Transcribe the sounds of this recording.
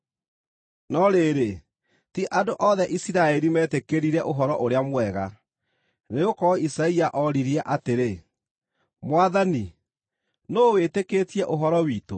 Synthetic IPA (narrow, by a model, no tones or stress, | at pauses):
nɔɾeɾe | tiʔadoʔɔðɛʔisiɾaɛɾimɛːtekeɾiɾɛʔoɦɔɾɔʔoɾeamwɛɣa | neokɔisaiaʔɔɾiɾiɛʔateɾe | mwaðani | noːwetekeːtiɛʔoɦɔɾɔwiːto